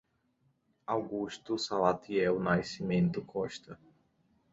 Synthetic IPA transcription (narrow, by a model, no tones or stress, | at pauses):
awɡuʃt̪ʊsalat̪ʰiɛwnajsimẽnt̪ʊkʰɔʃt̪ɐ